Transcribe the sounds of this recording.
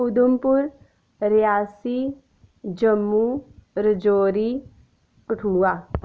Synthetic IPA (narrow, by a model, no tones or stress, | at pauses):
ʊd̪ʊmpʊɾ | ɾɪjaːsi | d͡ʒəmːuɾəd͡ʒoːɾi | kəʈʰuːaː